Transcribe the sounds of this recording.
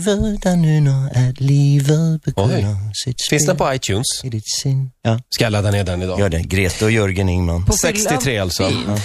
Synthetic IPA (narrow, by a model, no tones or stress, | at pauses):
vəld̪ɛnʉːnɔɛtlivəlbəɡ̪asɪt̪sfɪnsd̪ɛnpʰɔajt̪ʰʉːnsɪd̪ɪt̪sɪnjɑːskajalad̪ːaneːɖɛnɪd̪ɑjœːɖɛɡɾeːt̪əɔjɵɾɡənɪŋmanpsɛksɪt̪ʰɾeːalt̪sɔː